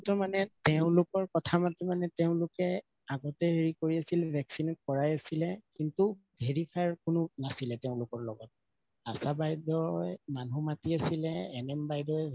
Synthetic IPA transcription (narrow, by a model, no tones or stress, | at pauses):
tɔmanɛteʊ̃lʊkɔɹkɔtʰamatimanɛtɛʊ̃lʊkɛ | aɡɔtɛɦeɹikoɹiasilɛbʱɛksinɔt̚kɔɹajasilɛkintubʱeɹikʰaɹkʊnʊnasilɛtɛʊ̃lʊkɔɹlɔ̰ɡɔt̚ | asabajdɔjmanʱumatiasilɛɛnɛmbajdɔj